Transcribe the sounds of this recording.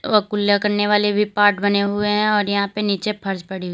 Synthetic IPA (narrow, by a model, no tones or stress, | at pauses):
ɔkʊljakɐɾneʋaːlebʱipaːɾʈbɐneɦʊeɦɛ̃ɔːɾjɐɦãpeniːt͡ʃepʰɐɾd͡ʒpɐɽiɦʊ